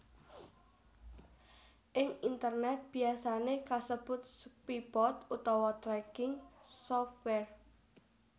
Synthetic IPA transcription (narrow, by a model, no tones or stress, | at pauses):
ʔɪŋint̪ərnɛt̪̚b̥iasanekasəb̥ʊt̪̚spibɔt̪ut̪ɔwɔt̪ɾɛɡɪŋsɔft̪wɛr